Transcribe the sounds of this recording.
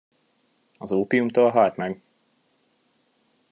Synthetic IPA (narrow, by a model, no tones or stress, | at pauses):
ɒzoːpiumt̪oːlɦɒlt̪mɛɡ